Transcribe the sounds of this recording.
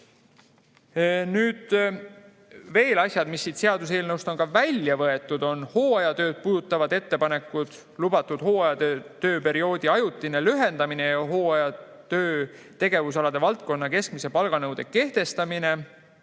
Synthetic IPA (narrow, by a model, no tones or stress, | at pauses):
nyːd̪̥ | ve̞ːlɑsʲjɑd̪̥misːiːt̪se̞ɑd̪us̬e̞ːlnɤwst̪o̞nkɑvælʲjɑvɤe̞t̪ːˑud̪̥o̞nho̞ːɑjɑt̪ø̞ːd̪̥̚puːd̪ut̪ːˑɑvɑd̪̥e̞t̪ːe̞pɑne̞kːud̪̥ | lub̥ɑt̪ːˑud̪̥ho̞ːɑjɑd̪t̪ø̞ːpe̞ɾio̞ːd̪iɑjut̪ːˑine̞lyɦe̞nd̪ɑmine̞jɑɦo̞ːɑjɑ | t̪ø̞ː | t̪e̞ɡ̥e̞vus̬ɑlɑd̪̥e̞vɑlt̪̚ko̞nːɑke̞skmise̞pɑlɡ̥ɑnɤwd̪̥e̞kːe̞ht̪e̞st̪ɑmine̞